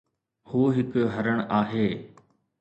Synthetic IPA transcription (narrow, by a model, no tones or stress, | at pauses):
huːɦɪkɦɐɾəɽ̃aːɦeː